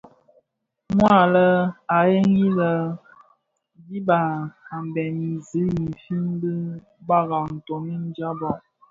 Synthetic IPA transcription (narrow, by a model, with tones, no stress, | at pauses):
mwa˦˨lə˦a˨je˦ŋi˦lə˨ | bi˦ba˨a˨m˨bɛ˨ni˨zi˨˦ji˨fi˦n˦bi˦ | ba˦ɣa˨n̩˨to˨mi˦n˦d͡ʒa˦bɔ˨ʔ